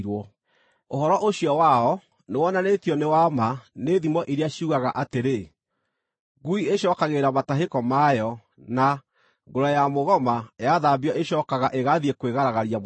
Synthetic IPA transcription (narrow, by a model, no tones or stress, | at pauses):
ɾwɔ | ohɔɾɔʔoɕjɔwaɔ | newɔnanetiɔnewamaneðimɔʔiɾeaɕiuɣaɣaʔateɾe | ɡuieɕɔkaɣeɾamataɦekɔmajɔ | na | ɡoɾajamoɣɔmajaðaːbiɔʔeɕɔkaɣaʔeɣaðiekweɣaɾaɣaɾia